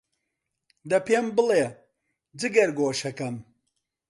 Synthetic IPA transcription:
d̪ɐpʰembɨle | d͡zɨɡɐɾɡoːʃɐkɐm

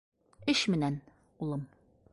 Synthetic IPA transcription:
ɘɕmɘ̆næn | ulˠɤm

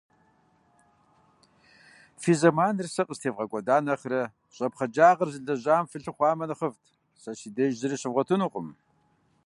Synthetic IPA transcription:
fizɐmaːnɨrsɐqʼəstʰeːvʁɐkʷʼɔdaːnɐχɾɐ | ɕʼɐpχɐd͡ʒaːʁɐrzɨɮɐʑaːmfɨɬɨχʷɑːmɐnɨχəvtʰ | sɐɕiːdeʒʒɨɾiɕɪvʁʷɔtʰɨnuːqʷʼʊm

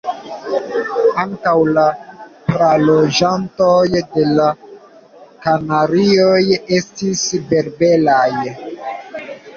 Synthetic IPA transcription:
aŋkawlapɾalod͡ʒantojde̞la | kanaɾioje̞stisbe̞ɾbe̞laj

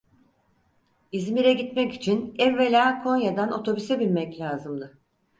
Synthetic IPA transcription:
izmiɾɛɟit̪mɛci̥t͡ʃʰinɛvːelʲaːkʰo̞njad̪ano̞t̪ʰo̞bysɛbilʲmɛclʲaːzɯmd̪ɯ

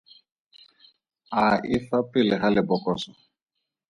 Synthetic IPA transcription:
aifapɪlɛɣalɛbɔkɔsɔ

